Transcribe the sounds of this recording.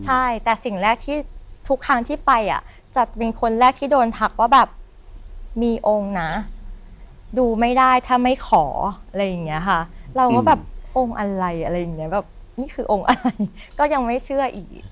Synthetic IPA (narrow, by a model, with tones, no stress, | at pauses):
t͡ɕʰa˥˩jt̪ɛː˨˩si˨˩ŋɾɛː˥˩k̚t̪ʰiː˥˩t̪ʰu˦˥k̚t̪ʰa˦˥ŋt̪ʰiː˥˩pa˧jʔa̰˨˩ | t͡ɕa˨˩pe˧nkʰo˧nɾɛː˥˩k̚t̪ʰiː˥˩doː˧nt̪ʰa˦˥k̚waː˥˩bɛː˨˩p̚ | miː˧ʔo˧ŋna˦˥ | duː˧ma˥˩jdaː˥˩jt̪ʰaː˥˩ma˥˩jkʰɔː˩˦ʔa˧ɾa˧jːa˨˩ŋni˦˥ɐkʰa˥˩ɾa˧wkɔː˥˩bɛː˨˩p̚ʔo˧ŋʔa˧ɾa˧jʔa˧ɾa˧jːa˨˩ŋːni˦˥ɐbɛː˨˩p̚ | niː˥˩kʰɯː˧ʔo˧ŋʔa˧ɾa˧jkɔː˥˩ja˧ŋma˥˩jt͡ɕʰɯ˥˩ɐʔiː˨˩k̚